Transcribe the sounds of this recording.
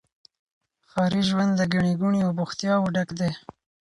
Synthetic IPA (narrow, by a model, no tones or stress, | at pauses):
xɑɾiʒwand̪d̪əɡaɳiɡuɳiawbʊxt̪jɑwuɖakd̪e